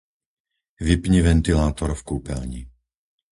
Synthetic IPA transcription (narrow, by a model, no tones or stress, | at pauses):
ʋipɲiʋɛnt̪ilaːt̪ɔɾfkuːpɛlɲḭ